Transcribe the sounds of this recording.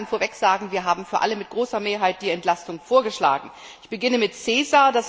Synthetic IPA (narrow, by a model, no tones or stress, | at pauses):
nfoːɐvɛkz̥aːɡŋ̩viːɐɦaːbm̩fyːɐʔa̰ləmɪt̚ɡ̥ʁoːsɐmeːɐɦaɪt̚d̥iːɛntlastʊŋfoːɐɡəʃla̰ːɡŋ̩ | ʔɪçb̥əɡɪnəmɪtt͡seːzaɐdas